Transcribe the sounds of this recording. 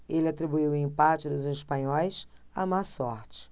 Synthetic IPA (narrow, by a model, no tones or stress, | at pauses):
elɪat̪ɾibuiwʊĩmpat͡ʃɪd̪ʊzeʃpɐ̃ɲɔjsamasɔɾt͡ʃɪ̥